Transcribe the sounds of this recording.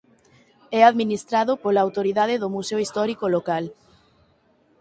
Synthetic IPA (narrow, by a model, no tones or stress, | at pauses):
ɛaðminist̪ɾaðopolaːwt̪oɾiðaðeðomuseoist̪ɔɾikolokal